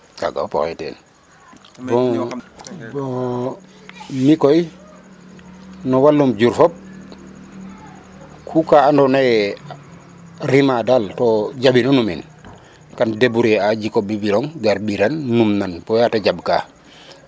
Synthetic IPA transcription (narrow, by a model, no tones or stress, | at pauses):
ka̰ɡa̰po̰xetḛn | bɔ | bo | mikoj | nɔwalːumɟuɾfop̚ | kʰukaandona | ɾimadaltoɟabinonumin | kandebuɾead͡ʒikobibiloŋɡaɾbiɾanːumnanpojataɟabka̰